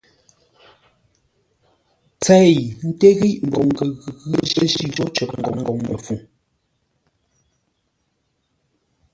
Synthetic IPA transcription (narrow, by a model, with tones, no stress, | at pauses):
t͡sɛ˦˨n̩˦te˦ɣi˦ʔm̩˨bo˨ŋ˨ɡə˨ɣɣʒe˦ʃi˦ɣo˦t͡ʃə˨ŋ̩˨ɡɔ̰˨ŋŋ˨ɡo˨ŋmə̰˨fu˨ŋ